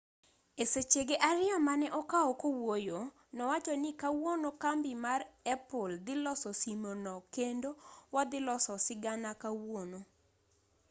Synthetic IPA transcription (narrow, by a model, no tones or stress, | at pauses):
eset͡ʃeɡeʔaɾɪamanɛʔɔkaɔkowojo | nɔwat͡ʃɔnɪkawonokambɪmarɛpɔld̪ɪlɔsɔsimonɔkendowad̪ɪlɔsɔsɪɡanakawono